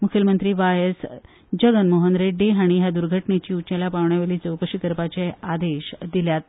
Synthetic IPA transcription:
mukʰjəlmənt̪ɾiːʋajəs | d͡ʑəɡənmoɦənɾeɖeɦaɽ̃iɦjad̪uɾɡʱəʈnet͡ɕiːut͡ɕelapaʋɳjaʋeliːt͡səʋkəɕik̪əɾpat͡ɕead̪eɕd̪iljat̪̚

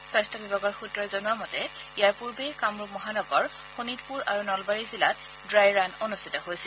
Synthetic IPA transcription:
swajstʰɔbibaɡɔɹxutɹɔjzonuamɔtɛijaɹpuɹbejkamɹumɔɦanɔɡɔɹ | xonitpuɹaɹunɔlbaɹizilat | dɹajɹanonustitɔɦojsɛl

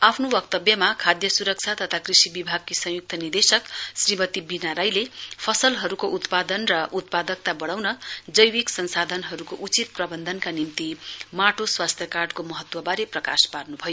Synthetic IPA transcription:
apʰnobʌk̚t̪ʌbjʌmakʰad̪jʌsuɾʌk̚t͡sʰat̪ʌt̪ʰakrisibibʱaɡ̚kisʌ̃juk̚t̪ʰʌnird̪esʌksrimʌt̪ibinaɾajlepʰʌsʌlɦʌɾukoʔut̪pad̪ʌnrʌʔut̪̚pad̪ʌk̚t̪abʌɽawnʌd͡zʌjwiksʌnsad̪ʱʌnɦʌɾukoʔut͡sit̪̚prʌbʌnd̪ʱʌnkanimt̪imaʈʰoswast̪ʰjʌkarɖkomʌɦʌt̪wʌbaɾeprʌka̰sparnubʱʌjo

